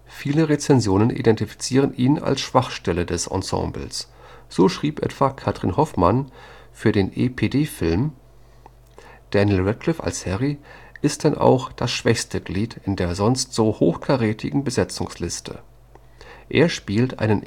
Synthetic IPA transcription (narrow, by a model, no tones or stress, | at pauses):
fiːləʁet͡sɛnzjoːnənʔḭdɛntifi̥t͡siːʁ̞ənʔiːna̰lsʃv̥aχʃtɛlədɛsʔɔ̰̃sɑ̰̃ːmbl̩s | z̥oːʃʁ̥iːpʔɛ̰tv̥akʰatʁ̥inhɔfman | fyːɐdeːnʔepʰeːdeːfɪlm | d̥ɛnjɪlʁɛkʰlɪfa̰lshɛʁiʔɪst̚d̥anʔa̰ʊxd̥asʃv̥ɛçstəɡliːtʰɪndeːɐzɔnstz̥oːhoːxkʰaʁeːtʰɪɡŋ̩bəzɛt͡sʊŋslɪstʰə̰ | ʔeːɐʃpiːltʔa̰ɪnən